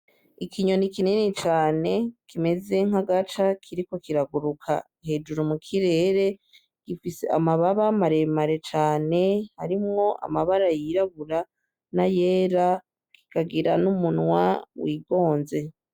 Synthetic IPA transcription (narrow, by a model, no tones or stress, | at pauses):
ikʰiɲo̞nikinenet͡ʃaːne̞kʰime̞ze̞ŋ̥aɡatakʰiɾiko̞kiɾaɡuɾukʰa̰ | he̞ːd͡ʒuɾumukʰiɾe̞ːɾe̞ | ɡ̥ifisḛʔamaβaβamaɾe̞maɾe̞t͡ʃaːne̞haɾimŋo̞ʔa̰maβaɾajiɾaβuɾa | najeːɾa | kʰi̥kaɡiɾanumunwa̰wiːɡo̞ːnze̞